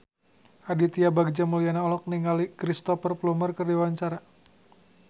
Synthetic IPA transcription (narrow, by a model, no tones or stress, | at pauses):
ʔadit̪iabaɡ̚d͡ʒamulianaɔlɔk̚niŋalikɾist̪ɔfərplumərkɨrdiwaɲt͡ʃaɾa